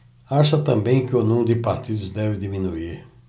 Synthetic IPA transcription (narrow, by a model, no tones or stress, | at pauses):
aʃɐt̪ɐ̃mbẽj̃kɪonũmd̪ɪpaɾt̪id̪ʊzd̪ɛvɪd̪imĩnuiɾ